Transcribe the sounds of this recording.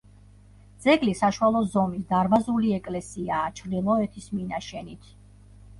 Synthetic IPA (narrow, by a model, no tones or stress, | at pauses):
d̪z̥ɛɡlisaʃuwalˠɔzɔmisd̪aɾmazuliɛkʼlɛsiaːt͡ʃʰɾd̪ilˠɔɛt̪ʰisminaʃɛnit̪ʰ